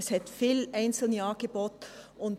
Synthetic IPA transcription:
shɛtfiːlʔaɪnt͡sl̩njɑːɡ̥eb̥oːtʔʊnt

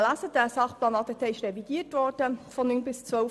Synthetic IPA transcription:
læsədæsɑχplɑːnɑtɛtʰɛɪʃʁɾɛviɡ̥iːətvɔrd̥əfɔnːynbɪst͡sʋœ

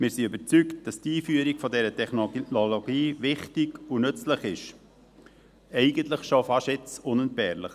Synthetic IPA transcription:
mɪːɾsiøbət͡sykt̚d̥ɑstiːfyəɾiɡ̥fɔdɛɾətʰɛχnonoloɡiːʋɪχtɪɡunʏt͡sləχɪʃ | ɛɪɡəntləχʃofɑʃɪt͡sʊnənt̚bɛːɾləχ

